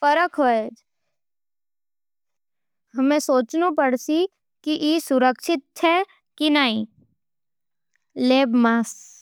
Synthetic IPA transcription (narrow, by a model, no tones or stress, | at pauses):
fɐɾəkʰɦoːe | ɦɐmẽsoːt͡ʃnupəɽsi | kiʔisʊɾəkʃɪt̪̚t͡ʃʰɛ | kinaːĩ | leːbmaːs